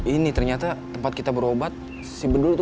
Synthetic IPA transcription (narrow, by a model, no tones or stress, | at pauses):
init̪ərɲat̪at̪əmpat̪̚kit̪abəɾobat̪̚ | sibədult̪